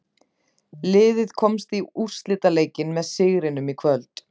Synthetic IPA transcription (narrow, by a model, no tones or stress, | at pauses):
lɪːðɪðkʰɔmst̪iur̥st̪lɪːt̪aleːjcɪnmɛðsɪɣɾɪnʏmikʰvœlt̪